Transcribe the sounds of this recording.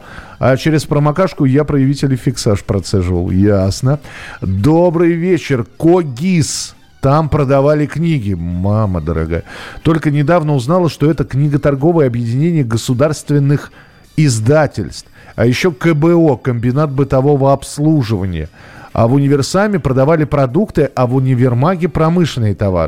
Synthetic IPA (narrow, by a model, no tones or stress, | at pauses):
a̰t͡ɕeɾʲɪspɾəmakaʂkʊjapɾəjɪvʲitʲɪlʲɪfʲɪksaʂpɾɐt̪sɛʐɨvə̰lˠjasnəd̪o̞bɾɨjvʲet͡ɕːɪrkoɡʲis | t̪ampɾəd̪ɐvalʲɪknʲiɡʲɪmamə̰d̪əɾa̰ɡa̰jət̪o̞lʲkənʲɪd̪avnəʊznalˠəʂt̪o̞ɛt̪əknʲiɡət̪ɐrɡo̞vɨjəɐbjɪdʲɪnʲenʲɪjəɡəsʊd̪arst̪vʲɪnːɨx | ɪzd̪atʲɪlʲst̪fɐjɪɕːo̞kəbɛo̞kəmʲbʲɪnat̪̚bɨt̪ɐvo̞vəɐpslˠuʐɨvənʲɪ̰jə̰a̰vʊnʲɪvʲɪrsamʲɪpɾəd̪ɐvalʲɪpɾɐd̪ukt̪ɨʔɐvʊnʲɪvʲɪrmaɡʲɪpɾɐmɨʂlɪnɨjɪt̪ɐva̰ɾ